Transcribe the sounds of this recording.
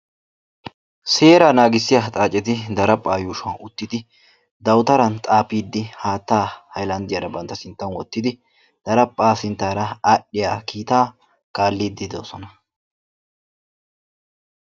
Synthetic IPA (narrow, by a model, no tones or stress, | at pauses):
se̞ːɾaːnaːɡɪsːɪjat̪ʼaːt͡ʃʼːɛt̪ɪd̪ɐɾɐpʼːaːjuːʃɐnʊt̪ːɪd̪ɪ | d̪ɐwt̪ɐɾɐnt̪ʼaːpːiːd̪ːɪhaːt̪ːaːhɐjlɐnd̪ɪjɐɾɐbɐnt̪ːɐsɪnt̪ːɐnwɔt̪ːɪd̪ɪ | d̪̥ɐɾɐpʼːaːsɪnt̪ːaːɾɐɐʔːɪjaːkʰiːt̪aː | kaːlːiːd̪ːɪd̪o̞̰ːsɔnɐ